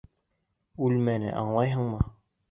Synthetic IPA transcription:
ʉlmænɘ̰ʔɑ̰ɴlˠɑjɦɤɴmɤ

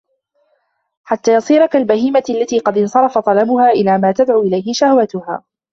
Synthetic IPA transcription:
ħat̪ːaːjɑsˤiːɾɑkalbahiːmaalːat̪iːqɑd̪ɪnsˤɑɾˤɑfɑt̪ˤɑlamʊhaːʔɪlaːmaːt̪ad̪ʕuːʔɪlajhɪʃahwat̪ʊha̰ː

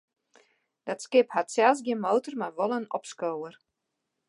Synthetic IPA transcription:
d̥ɔtskɪphatsɛlˠs̬ɡjɪnmoːtərmaʋolˠənɔpskowər

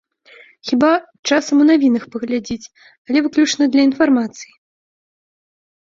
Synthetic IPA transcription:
xʲiba | t͡ʂasɐmunavʲinɐxpɐɣlʲad͡zʲit͡sʲ | ɐlʲɛvɨklʲut͡ʂnɐd̪lʲɐin̪farmat̪sɨji

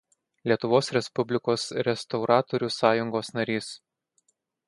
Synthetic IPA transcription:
lʲiɛt̪ʊʋoːsɾʲɛspʊbʲlʲɪkoːsɾʲɛst̪ɔʊɾɑːt̪ɔɾʲusɑːjʊŋɡoːsnɐɾʲiːs

